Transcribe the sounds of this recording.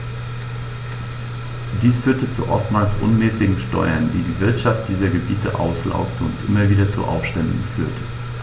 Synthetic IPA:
d̥iːsfyːɐtət͡sṵʔɔ̰ftmaːlsʔʊ̰nmɛːsɪɡŋ̩ʃtɔ̰ʏɐndḭːdiːvɪɐtʃaft̚d̥iːzɐɡəbiːtʰəʔa̰ʊsla̰ʊktʰəʊntʔɪmɐviːdɐt͡sṵʔa̰ʊfʃtɛndn̩fyːɐtʰə

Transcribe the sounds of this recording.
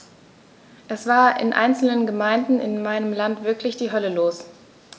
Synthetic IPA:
ʔɛsv̥aːɐʔɪ̰nʔa̰ɪnt͡sl̩nənɡəmaɪndn̩ɪnmaɪnəmlantv̥ɪɐklɪçd̥iːɦœləloːs

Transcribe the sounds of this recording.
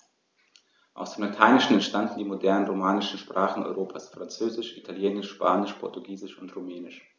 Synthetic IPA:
ʔa̰ʊsd̥eːmlatʰaɪnɪʃn̩ɛntʃtandn̩diːmodɛɐnənʁomaːnɪʃn̩ʃpʁ̥aːχn̩ɔ̰ʏʁoːpʰaːsfʁ̥ant͡søːzɪʃʔitʰaljeːnɪʃʃpʰaːnɪʃpʰɔɐtuɡiːzɪʃʊntʁomɛːnɪʃ

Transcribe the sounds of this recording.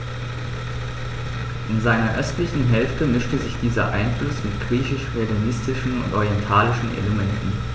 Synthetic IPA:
ʔɪnzaɪnɐʔœstlɪçn̩ɦɛlftəmɪʃtəzɪçd̥iːzɐ̰ʔa̰ɪnflʊsmɪtɡ̥ʁiːçɪʃʁeɡionɪstɪʃn̩ʊ̰ntʔɔʁijɛntʰaːlɪʃn̩ʔḛləmɛntn̩

